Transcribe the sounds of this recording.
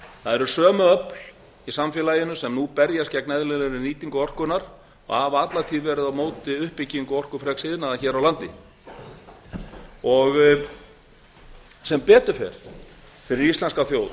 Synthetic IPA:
θaðɛɾʏsœːmʏœpl̥ | isamfjɛːlaːjɪnʏsɛmnupɛɾjascɛknɛðlɪlɪɾɪniːt̪iŋkʏɔr̥kʏnaɾ̥ | ɔ̰ɣhavaat̪lat̪ʰiːðvɛːɾɪðawmoːwt̪ɪʏhpːɪcːiŋkʏɔr̥kʏfɾɛksɪðnaðaçɛːɾawlant̪ɪ | ɔɣ | sɛmpɛːt̪ʏ̥fɛ̰ɾ̥ | fɪɾɪɾist̪ɛnskawθjowð

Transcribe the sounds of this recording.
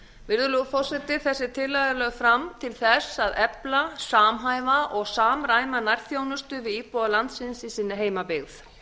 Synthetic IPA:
vɪɾðʏlufɔr̥sɛt̪ɪ̥θɛsːɪt̪ʰɪlːajðalœːɣfɾamt̪ʰɪlθɛsaðɛplasaːmɦaːjvaʔɔɣsaːmɾaːjmanajɾθjoːwnʏst̪ʏvɪðiːpowðalant̪sɪnsisiːnːɪɦeːjmapɪɣθ

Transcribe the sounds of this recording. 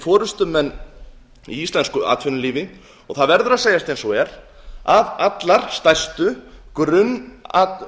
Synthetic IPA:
fɔːɾʏst̪ʏmɛnː | ḭist̪ɛnskʏʔa̰ːt̪fʏnʏliːvɪ | ɔɣθaðvɛɾðʏɾaðseːjast̪ɛnsɔɛɾ | avat̪laɾ̥st̪ajst̪ʏkɾʏna

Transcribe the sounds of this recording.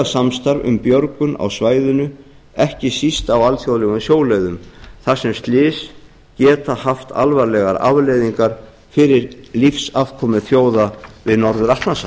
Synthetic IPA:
asamst̪aɾvʏ̰mpjœɾkʏna̰wsvaːjðʏnʏ | ɛhcɪsist̪awalθjowðlɛɣʏnsjoːwlejðʏmθasɛmst̪lɪːs | cɛːt̪ahaft̪ʰa̰lvaɾlɛɣaɾa̰vlejðiŋkaɾ̥ | fɪɾɪɾlifsavkʰɔːmʏθjoːwðavɪnɔɾðʏɾaht̪nas

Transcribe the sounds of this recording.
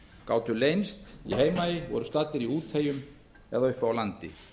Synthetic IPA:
kaːwt̪ʏlejnst̪ḭɦeːjmajɪvɔ̰ɾʏst̪at̪ɪɾiuːt̪heːjʏm | ɛ̰ðaʏhpawlant̪ɪ̰

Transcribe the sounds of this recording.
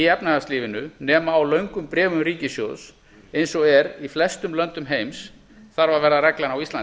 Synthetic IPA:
iɛpnaast̪liːvɪnʏnɛːmaːwlœɥŋkʏmpɾɛːvʏmɾiːcɪsjo̰ðs | ejnsɔɣɛɾiflɛst̪ʏmlœnt̪ʏmɦejms | θaɾvaɾvɛɾðaɾɛklanawist̪an

